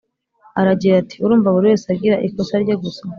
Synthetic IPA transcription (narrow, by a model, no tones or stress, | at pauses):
aɾaɟiɾatʰi̥uɾuːmvaβuɾiwe̞ːsaɡiɾaʔikosaɾɟoɡusa